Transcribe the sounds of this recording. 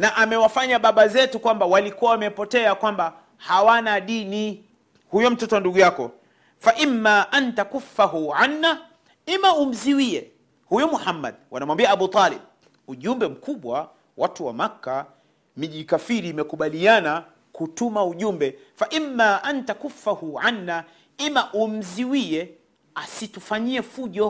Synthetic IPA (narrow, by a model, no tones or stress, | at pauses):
naʔamɛwafaɲaɓaɓazɛtukwambawalikuwawamɛpɔtɛakwamba | hawanaɗini | hujɔm̩tɔtɔnduɠujakɔ | faʔimːaʔantakufːaɦuʕanːa | imaum̩ziwiɛ | hujɔmuhamːa̰ɗwanamwambiaaɓut̪alɛɓ | uʄumbɛm̩kuɓwa | watuwa̰makːa | miʄikafiɾiːmɛkuɓaliana | kutumauʄumbɛfaʔimːaʔantakufːahuʕanːa | imaʔum̩ziwiɛ | asitufaɲiɛfuʄɔ